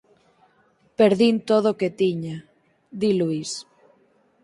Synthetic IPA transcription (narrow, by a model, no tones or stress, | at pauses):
peɾðint̪oð̞oket̪iɲa | d̪iluis